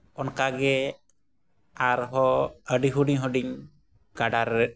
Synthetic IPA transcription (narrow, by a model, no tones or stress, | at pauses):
ɔnkaɡɛ | aɾɦɔəɖiɦuɖiɲɦɔɖiɲ | ɡ̥aɖaɾɛ